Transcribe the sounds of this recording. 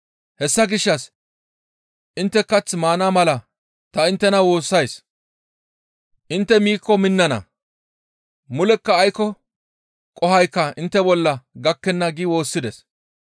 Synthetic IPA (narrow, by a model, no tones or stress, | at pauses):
hɛsːɐɡɪʃːɐs | ʔɪnt̪ːɛkːɐt͡sːmaːnamɐlɐ | t̪ɐɪnt̪ːɛnɐwo̞ːsːɐjs | ʔɪnt̪ːɛmiːkːɔmɪnːɐnɐ̰ | mʊlɛkːɐːjkːɔ | kʼɔhɐjkːɐɪnt̪ːɛbɔlːɐɡɐkːɛnːɐɡɪwo̞ːsːɪd̪ɛs